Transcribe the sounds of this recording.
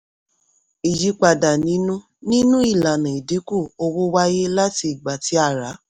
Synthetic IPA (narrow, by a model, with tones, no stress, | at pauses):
i˨ji˨˦k͡pa˧˨da˨nĩ˨˦nũ˦ | nĩ˦nũ˦i˦˨la˨nã˨i˨di˨˦ku˦˨o˧wo˦wa˦je˦la˦ti˧˨ɡ͡ba˨ti˨˦a˦˨ɾa˨˦